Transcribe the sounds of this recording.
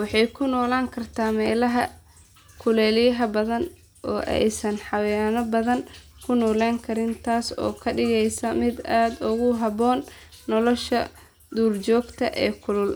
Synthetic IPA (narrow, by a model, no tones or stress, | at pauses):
wɑħɑjkʰʊnɔːlaːŋkʰɐrt̪ʰaːmɛːlɐɦɐ̰ | kʰʊlɛːlɪjɐɦɐbɐðɐn | ʔɔːʔɛ̰jsɐnħɑwɛnɐbɐðɐŋ | kʰʊnɔːlɛːŋkʰɐɾɪnt̪ʰaːsɔ̰ːkʰɐɖɪɣɛjsɐmɪd̪aːd̪ʊɣʊɦɐβɔːnː | ɔlɔʃɐ | d̪uːrt͡ʃɔːɡt̪ʰɐʔɛːkʰʊlʊl